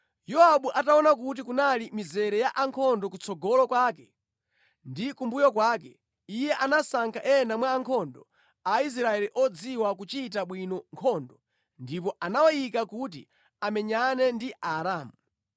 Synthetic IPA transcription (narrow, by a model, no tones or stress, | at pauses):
jɔaɓuʔataɔnak̬ut̬ikunalimizɛɾɛjaʔaŋkʰɔndɔkut͡sɔɡɔlɔkwak̬ɛ | ndikumbujɔkwaːkɛ | ijɛʔanasaŋkʰaʔɛnamwaːŋkʰɔndɔ̰ | ais̬ɾaɛliʔɔd͡ziwak̬ut͡ʃit̬aɓwinɔŋkʰɔndɔ | ndipɔʔanawɔjikakut̬ḭ | amɛɲanɛndiaɾaːmu